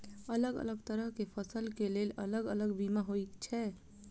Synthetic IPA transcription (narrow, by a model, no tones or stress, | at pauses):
ələɡə̰ləɡt̪əɾəɦkepʰəsəlkelelə̰ləɡələɡbimaɦoikt͡ʃʰɛ